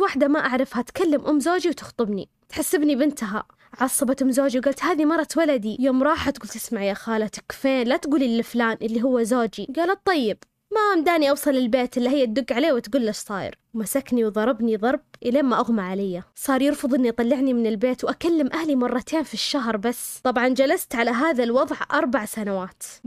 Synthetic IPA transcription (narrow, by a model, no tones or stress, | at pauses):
waħd̪amaʔaʕɾˤɪfhat̪kalːamʔʊmːzoːd͡ʒiwt̪ɪ̥xt̪ˤɨbnḭ | t̪ħasːɪbnibɪnt̪aɦa̰ | ʕɑsˤːɑbat̪ʔʊmzoːd͡ʒiwɡaːlt̪haːðimɑɾˤːɑt̪walad̪ijoːmɾˤɑːħat̪ɡuːlt̪ɪsmaʕjaːxaːlat̪ɪ̥kfeːnlat̪ɡuːlilːɪflaːnʔɪlːiɦʊwːazoːd͡ʒiɡaːlatt̪ˤːɑjːɪb̥̚ | maʔmd̪aːniʔɑwsˤɑlɪlbeːt̪ʔɪlːiɦɪjːat̪̚d̪ʊɡːʕaleːwɪt̪ɡuːlːaʃsˤɑːjɪ̰ɾwmasakniwðˤɑɾˤɑbniðˤɑɾˤb̚ʔɪleːmːaʔaɣmaʕalajːasˤɑːɾˤjɪɾfʊðˤʔɪnːiʔɑt̪ˤɑlːɪʕnimɪnɪlbeːt̪wʔakalːɪmʔahlimɑrˤːɑt̪ʰeːnfiʃːaɦɾˤbasːt̪ˤɑbʕɑnd͡ʒalast̪ʕalaɦaːðalwɑðˤʕʔɑɾˤbaʕsanawaːt̪